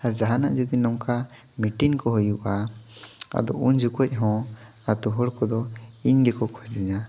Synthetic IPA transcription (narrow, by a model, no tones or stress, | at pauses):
ad͡ʒaɦanaʔd͡ʒɔd̪inɔmka | miʈiŋkɔɦɔjuʔa | a̰d̪ɔʔuɲd͡ʒukɔc̚ˀɦɔ̃ | at̪uɦɔɽkɔd̪ɔ | iɲɡɛkɔkʰɔd͡ʒiɲa